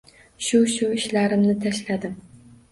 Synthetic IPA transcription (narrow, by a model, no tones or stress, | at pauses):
ʃuʃuiʃlæɾɪmnɪt̪ʰɛʃlæd̪ɪm